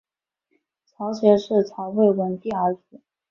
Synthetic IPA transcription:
t͡sʰɑ˧˥ʊɕjɛ˧˥ʂɻ̩˥˩ʈ͡ʂʰɑ˧˥ʊwe˥˩ɪwə˧˥nt̪i˥˩ə˞˧˥ʈ͡ʂ̩˧˥˦

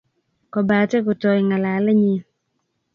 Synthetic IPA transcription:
kɔ˨ba˨tɛ˦kʊ˨tɔ˨ɪ˨ŋa˨la˨lɛ˦ɲɪ˦

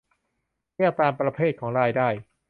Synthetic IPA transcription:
ni˥˩ək̚t̪aː˧mpɾa˧pʰeː˥˩t̪̚kʰɔː˩˦ŋɾaː˧jdaː˥˩j

